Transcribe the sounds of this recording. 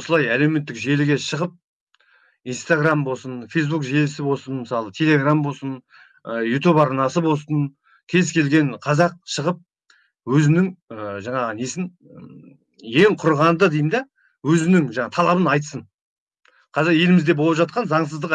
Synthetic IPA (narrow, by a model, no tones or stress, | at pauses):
wosəlˠɑjæle̞wme̞t̪ːɪkʒe̞lɪɡʲe̞ʃəʁəp̚ | inst̪aɡrambo̞lˠsənfejs̬bukʒelɪsɪbo̞lˠsənməsɑlˠət̪ʰe̞le̞ɡrambo̞lˠsən | əjut̪ubɑɾnɑsəbo̞lˠsən | kʲʰe̞zkʲʰe̞lɡʲe̞nqʰɑzɑq̚ʃəʁəp̚ | wɵzɪnɪŋəʒɑɴɑʁəne̞sɪn | je̞ŋqʰʊɾʁɑnd̪əd̪ejmd̪e | wɵzɪnɪŋʒɑɴɑt̪ʰɑlˠɑbənɑjt̪səɴ | qʰɑzɑɾje̞lɪmɪzd̪e̞bo̞lˠpʒɑt̪̚qɑnzɑɴs̬əzd̪əq